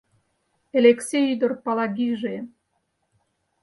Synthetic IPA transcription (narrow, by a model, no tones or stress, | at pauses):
eleksʲeyd̪ə̆rpɑlɑɡiʒe